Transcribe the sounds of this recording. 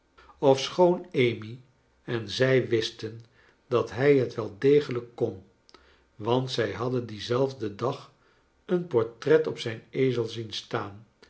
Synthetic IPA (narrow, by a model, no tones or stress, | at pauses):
ɔfsχownejmi | ɛnzɛjʋɪstən | dɑtɦɛjɦətʋɛlˠdejχələkːɔn | ʋɑntsɛjɦɑdəndizɛlˠvdədɑχ | ənpɔɹtrɛtɔpsɛjnejzəlˠzinstaːn